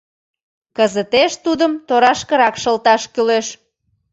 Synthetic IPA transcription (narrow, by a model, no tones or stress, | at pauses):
kəzət̪eʃt̪ud̪əmt̪oɾɑʃkəɾɑkʃəlt̪ɑʃkyleʃ